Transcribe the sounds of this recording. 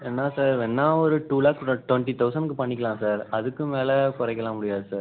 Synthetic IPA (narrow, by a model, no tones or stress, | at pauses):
ɛnːaːsaːɾɛnːaːɔɾɯʈuːlaːkʈʋɛɳʈit̪ɐʊsɐnɖkːɯpɐɳːɪk̬ːɐlãːsaːɾɐðɯkːɯmeːlɛkʊɾɐɪkːɐlãːmʊɽɪjaːðɯsaːɾ